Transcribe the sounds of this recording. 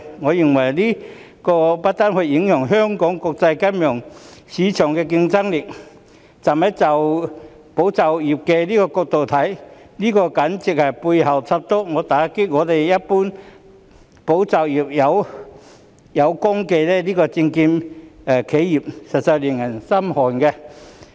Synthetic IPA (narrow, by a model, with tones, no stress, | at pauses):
ŋɔ˨˧i˨˩ŋwa˨˩jli˦˥ | kɔ˧pa˦˥t̚t̪a˥nhwe˧i˨˥˦ŋjɔ˨˩ŋɦœ˦˥ŋkɔ˨˥ŋkɔ˧k̚t͡sa˧jka˥mjɔ˨˩ŋɕi˨˦t͡ɕʰjɔ˨˩ŋkɛ˧k̬i˧ŋt͡sa˥ŋli˨˩k̚ | t͡sa˨˩me˦˥t͡sa˨˩w | po˨˦wt͡sa˨˩wi˨˩p̚ke˧li˦˥kɔ˧kɔ˧k̚t̪o˨˩t̪ʰa˨˦j | li˥kɔ˧ka˨˦nt͡si˧˩k̚ha˨˩jpu˧jɦa˨˩wt͡sʰa˧p̚t̪ɔ˦˥ŋɔ˨˧˦t̪aː˨˩˦ki˥t̚ŋɔː˨˧t̪e˨˩jja˦˥t̚pu˥n | po˨˥wt͡sa˨˩wi˨˩p̚ja˨˦w | ja˨˧wkɔ˥ŋke˧lɛ˧˩liː˥kɔ˧t͡ɕi˧ŋki˧mː˨˩kʰe˨˥˦ji˨˩p̚sa˨t̚t͡sa˧jli˨˩ŋa˨˩nsa˥mhɔ˨˩nkɛ˧